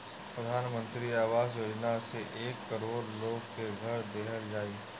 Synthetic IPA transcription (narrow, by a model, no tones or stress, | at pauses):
pɾəd̪ʱaːnmə̃nt̪ɾiaːʋaːzjoːd͡ʒnaseʔeːkːəɾoːɾloːɡkeɡʱɐɾd̪eːɦəɾd͡ʒaːiː